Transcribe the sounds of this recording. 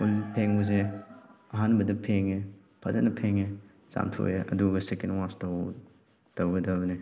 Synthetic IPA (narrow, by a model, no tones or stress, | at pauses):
ulpʰeŋbuze | ɐɦanbɐdɐpʰeŋe | pʰɐzɐnɐpʰeŋe | sa̰mtʰo̰jeʔɐ̰duɡɐsekenwastɐ | tɐwɡɐdɐbne